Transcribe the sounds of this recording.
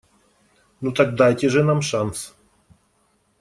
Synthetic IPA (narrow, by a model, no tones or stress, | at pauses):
nut̪ak̚d̪ajtʲɪʐɨnamʂans